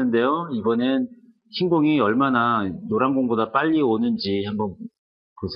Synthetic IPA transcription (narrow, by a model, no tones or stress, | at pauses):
ɯnde̞joibʌnen | ɕinɡoŋiʌɭmananoɾaŋɡoŋɡodap͈aʎːionɯnd͡ʑihambʌn | kosʰ